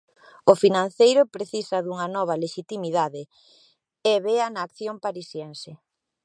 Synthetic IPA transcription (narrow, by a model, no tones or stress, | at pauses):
ʊfinãn̟θejɾʊpɾeθisɐðuŋɐnɔβ̞ɐleʃit̪imiðaðɪ | eβeanaːkθjoŋpaɾisjɛnse